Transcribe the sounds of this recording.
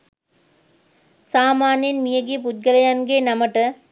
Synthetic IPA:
saːmaːnjɐnmijɐɡip̬ʊt̪̚ɡɐlɐjanɡeːnɐmɐʈːɐ

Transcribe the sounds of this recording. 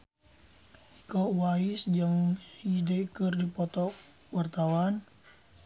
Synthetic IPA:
ʔikɔwaisd͡ʒəŋhidekɨrdipɔt̪ɔ | wart̪awan

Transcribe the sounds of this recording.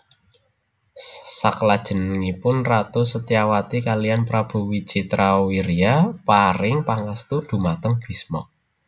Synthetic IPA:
saklad̥ʒ̥ə̤nŋipʊnrat̪usət̪iawat̪ikalijanpɾab̥ṳwit͡ʃit̪ɾʔawiɾiapaɾɪŋpaŋast̪ud̪̥ṳmat̪əŋb̥i̤smɔ̰

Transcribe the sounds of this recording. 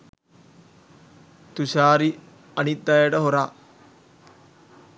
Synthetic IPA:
t̪uɕaːɾi | ɐnit̪̚d̪ajeʈɐɦoɾaː

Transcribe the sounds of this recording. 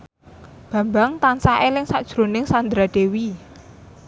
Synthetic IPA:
b̥a̤mbaŋt̪ansaʔelɪŋsaʔd̥ʒ̥ɾonɪŋsand̪ɾaɖ̪̥ewi

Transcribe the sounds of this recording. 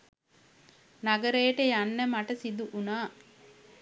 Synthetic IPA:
naɡəɾejəʈəjanːəmaʈəsid̪uʔunaː

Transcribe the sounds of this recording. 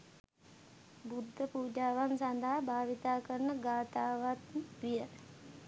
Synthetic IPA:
bud̪ʱːəpuːd͡ʒaːʋansand̪aɦabʱaːʋit̪aːkəɾnəɡaːt̪aːʋat̪ʋijə

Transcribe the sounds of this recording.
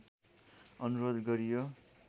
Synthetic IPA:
ʌnuɾod̪ɡʌɾijo

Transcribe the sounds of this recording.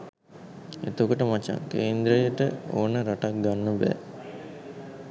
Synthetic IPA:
ḛt̪okəʈəmat͡ʃa̰ŋkeːnd̪ɾəjəʈəo̰ːnəɾaʈak̚ɡanːəbɛ̰ː

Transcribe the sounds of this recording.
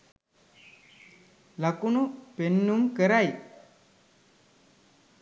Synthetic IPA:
lakunupenːumkəɾaj

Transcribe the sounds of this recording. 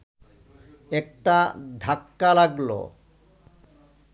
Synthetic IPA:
ek̚ʈad̪ʱakːalaɡlo̰

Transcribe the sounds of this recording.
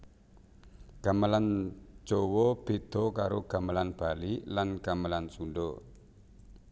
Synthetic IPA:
ɡ̥amaland͡ʒ̥owɔb̥ed̪̥ɔkaɾoɡ̥amalanb̥alilanɡ̥amalansundɔ

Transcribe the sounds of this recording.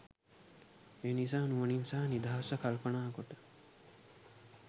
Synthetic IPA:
eːnis̬aːnuʋəninsaːɦnid̪aɦɐsɐkɐlpənaːkoʈə̥

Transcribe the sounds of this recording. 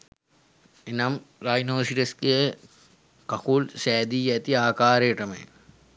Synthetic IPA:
enɐmɾajnoːsiɾɐskije | kɐkulsɛːd̪iːɛt̪iaːkaːɾeːʈɐmḛj

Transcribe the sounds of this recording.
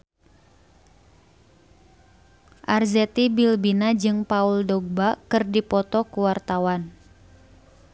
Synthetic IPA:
ʔarzet̪ibilbinad͡ʒɨŋpauldɔɡ̚bakɨrdipɔt̪ɔkuwart̪awan

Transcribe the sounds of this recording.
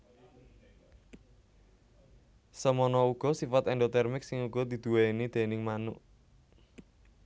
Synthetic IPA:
səmɔnɔuɡ̥ɔ̤sifat̪ɛnd̪ot̪ɛrmɪk̚sɪŋuɡ̥ɔ̤d̪̥i̤d̪̥ṳweinid̪̥e̤nɪŋmanuʔ

